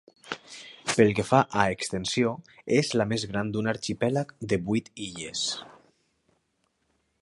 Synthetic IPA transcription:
pelˠkefaʔaekst̪ensioezlamezɣ̞ɾand̪unaɾt͡ʃipɛlakd̪eβujt̪iʎes

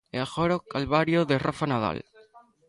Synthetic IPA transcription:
eaxoɾokalβaɾjoðerofanaða̰l

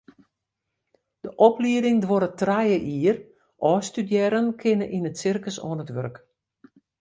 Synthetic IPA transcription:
d̥əʔɔpliədɪŋdʋoɾətrajəʔiːr | ʔɔːstydjɛɾənkʰɪnəʔinətsɪrkəsɔ̰ːənətʋørk

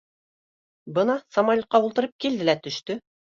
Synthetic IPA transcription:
bɤnɑsɐmɑlʲqːɑulˠt̪ɤ̆ɾɤp̚kild̪ɘlæt̪ɵ̆ʃt̪ɵ

